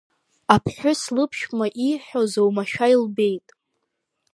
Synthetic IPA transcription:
apʰħᶣʊslɨpʰʃᶣmaʔiħᶣozowmaʃᶣailbe̞jtʼ

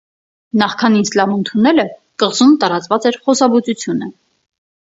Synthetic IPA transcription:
nɑχkʰɑnind͡zlɑvənt̪ʰunɛlə | kəʁzumt̪ɑɾɑt͡svɑt͡sɛɾχɔsɑbut͡sut͡sʰjunə

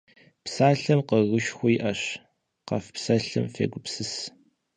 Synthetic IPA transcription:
psaːɬɐmqəɣɨʃxʷʊjɪʔɐɕ | qɐ̰fpsɐɬɨ̰mfḛːɡʷʊpsɨs

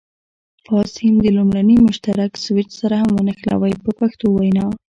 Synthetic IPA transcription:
fɑshɪmd̪əlumɽanəmʊʃt̪aɾakswɪt͡ʃsaɾahamwənəxla̰wajpəpaxt̪owajnɑ

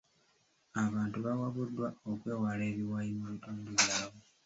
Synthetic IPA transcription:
aβaːntuβawaβudːwaokwe̞ːwaleːβiwajimuβitoːndiβjaβo

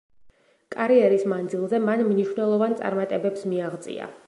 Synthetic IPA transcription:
kʼaɾiɛɾismand̪zilˠzɛmanmniʃwnɛlˠɔvant̪sʼa̰ɾmat̪ʼɛbɛpsmiaʁd̪t̪sʼḭa̰

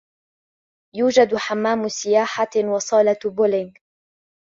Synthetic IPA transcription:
juːd͡ʒad̪ħamːaːmʊsɪjaːħawɑsˤɑːlabʊlɪŋɡ

